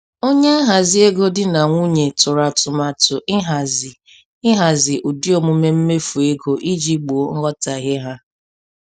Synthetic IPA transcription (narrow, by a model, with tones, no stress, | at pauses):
o˦ɲ˦a˦ɦa˨zɪ˦e˦ɡo˦dɪ˦na˨ŋʷu˦ɲe˨tʊ˨ɾa˨tʊ˨ma˨tʊ˨ʔɪ˦ɦa˨zɪ˨ | ɪ˦ɦa˨zɪ˨ʔʊ˨di˦o˨mʊ˦me˦m̩˦me˦fu˨e˦ɡo˦ʔi˦d͡ʒi˦ɡ͡bo˨˦ŋ̩˦ɣɔ˦ta˨ɣɪ˦ɦa˦